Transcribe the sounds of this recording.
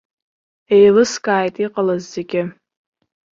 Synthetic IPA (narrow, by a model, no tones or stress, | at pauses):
e̞jlɨskʼaːjtʼiqʼalazːeɡʲɪ